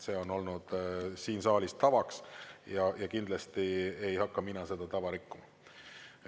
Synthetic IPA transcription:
se̞ːo̞no̞lnud̪̥siːnsɑːlist̪ɑvɑksjɑjɑkind̪̥lɑst̪iejhɑkːɑminɑse̞d̪̥ɑt̪ɑvɑɾikːumɑ

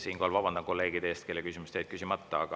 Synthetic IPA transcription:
siːnŋkoːlvɑb̥ɑnd̪ɑko̞lːe̞ːɡ̥id̪eest̪kelːekysʲimust̪ejd̪̚kysʲimɑt̪ːɑɑ̰ɡ̥ɑ

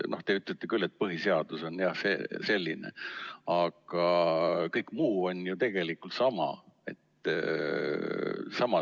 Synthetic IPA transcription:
no̞ht̪e̞yt̪ˑlet̪ːekylːe̞t̪̚pɤɦise̞ɑd̪̥uso̞njɑhsḛse̞lʲːinḛɑɡ̥ɑkɤjkːˑmuːo̞njut̪e̞ɡ̥e̞likːˑult̪sɑmɑ̰e̞̰t̪ː | sɑmɑ

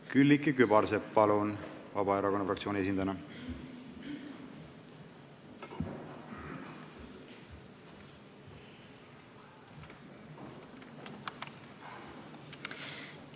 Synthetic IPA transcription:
kylʲːikːikybɑɾseppɑlunvɑbɑeɾɑko̞nːɑfrɑkt̪sioːnies̬ind̪ɑnɑ

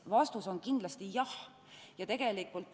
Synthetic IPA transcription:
vɑst̪uso̞nkind̥̪lɑst̪ijɑh | jɑt̪e̞ɡ̥e̞likːˑult̪ːˑ

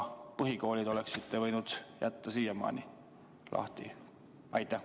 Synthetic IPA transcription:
pɯɦiko̞ːlʲid̪̥o̞le̞ksit̪ːevɤjnud̪̥jæ̰t̪ːɑsiːjɑmɑ̰ːni | lʔɑ̰ht̪ḭ | ɑjt̪ːˑæ

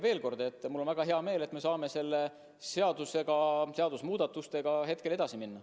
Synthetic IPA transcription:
ve̞ːlko̞rd̪̥e̞t̪ːˑmulːo̞nvæɡ̥ɑɦe̞ɑme̞ːle̞t̪ːme̞sɑːme̞se̞lːe̞ | se̞ɑd̪use̞ɡ̥ɑse̞ɑd̪̥usmuːd̪̥ɑt̪ːˑust̪e̞ɡ̥ɑɦe̞t̪ke̞le̞d̪ɑsiminːɑ

